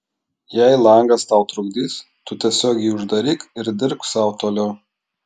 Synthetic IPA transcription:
jɛɪlˠɐˑŋɡɐst̪ɐˑʊt̪ɾʊɡd̪ʲiːs | t̪ʊt̪ʲiɛsʲoːɡʲɛɪʊʒd̪ɐɾʲiːkɪɾd̪ʲɪɾksɑˑʊt̪oːlʲo

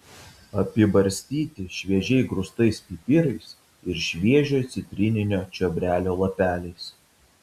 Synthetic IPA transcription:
ɐpʲɪbɐɾʲsʲt̪ʲiːt̪ʲɪʃʲʋʲiɛʒʲɛɪɡɾʊst̪ɐɪspʲɪpʲɪɾɐɪs | ɪɾʃʲʋʲiɛʒʲoːjt̪sʲɪt̪ʲɾʲɪnʲɪnʲoːt͡ʃʲɔbʲɾʲæːlʲoːlˠɐpʲæːlʲɛɪs

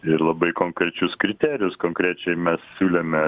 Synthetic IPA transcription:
ɪɾlˠɐbɐɪkoːŋkɾʲɛt͡ʃʲʊskɾʲɪt̪ʲæːɾʲɪjʊskoːŋkɾʲæːt͡ʃʲɛɪmʲɛssʲuːlʲɛmʲɛ

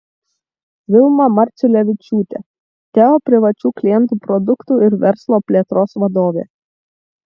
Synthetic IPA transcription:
ʋʲɪlˠmɐmɐɾʲˑt͡ʃ̪ʲɪlʲɛʋʲɪt͡ʃʲuːt̪ʲḛ | t̪ʲɛɔpʲɾʲɪʋɐt͡ʃʲuːklʲɪjɛnt̪uːpɾɔd̪ʊkt̪uːˑɪɾʋʲɛɾslˠoːpʲlʲeːt̪ɾoːsʋɐd̪oːʋʲḛː

